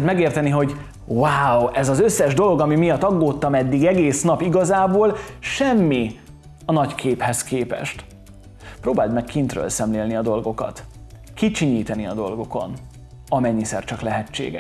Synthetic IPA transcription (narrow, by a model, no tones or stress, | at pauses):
t̪mɛɡeːrt̪ɛniɦo̞ɟ | waːwɛzɒzøsːɛʒd̪o̞lo̞ɡɒmimijɒt̪ːɒɡːoːt̪ːɒmɛd̪ːiɡɛɡeːsnɒpiɡɒzaːboːlʃɛmːi | ɒnɒckʰeːphɛskeːpɛ̰ʃt̪ | pɾoːbaːld̪mɛkkint̪rø̰ːlsɛmleːlniɒd̪o̞lɡo̞kɒ̰t̪ | kit͡ʃiɲiːt̪ɛniɒ̰d̪o̞̰lɡo̞ko̞̰n | ɒmɛɲːisɛ̰rt͡ʃɒklɛɦɛt͡ʃːḛːɡɛ̰ʃ